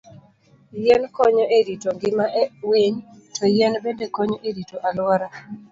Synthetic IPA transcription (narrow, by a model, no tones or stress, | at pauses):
jɛnkɔɲɔʔeɾitoŋɡɪmaʔweɲtɔjɛnbendekɔɲɔʔeɾitoʔalwaɾa